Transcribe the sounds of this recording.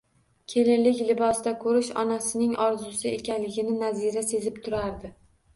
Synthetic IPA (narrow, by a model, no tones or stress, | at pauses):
kʲʰe̞lɪlɪkʲlɪbɒsd̪akʰɵɾɪʃɒ̰nasɪnɪŋɒɾzʊsɪekʲʰanlɪɡʲɪnɪnaziɾase̞zɪpt̪ʰʊɾaɾd̪ɪ